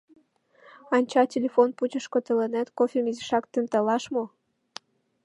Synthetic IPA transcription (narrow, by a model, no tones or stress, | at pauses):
ɑnʲt͡ɕɑtʲelʲefonput͡ɕəʃkot̪əlenæt̪kofʲemizəʃɑkt̪ənt̪əlɑʃmo